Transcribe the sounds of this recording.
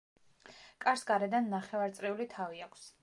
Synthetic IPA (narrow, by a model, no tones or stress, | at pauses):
kʼaɾsɡaɾɛd̪anːaχɛvaɾt̪sʼɾiulit̪ʰaviakʰs